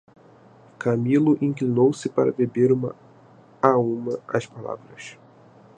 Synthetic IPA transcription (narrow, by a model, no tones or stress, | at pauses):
kʰamilʊʔĩŋklinowsɪpa̰ɾɐ̰bebeɾũmɐ̰ | aũmɐɐ̰ʃpala̰vɾɐʃ